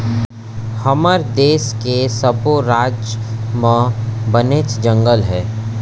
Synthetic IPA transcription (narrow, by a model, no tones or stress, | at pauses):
hɐməɾd̪eːskesəboɾaːd͡ʒmə̃bəneːt͡ʃd͡ʒə̃ŋɡəlɦɛː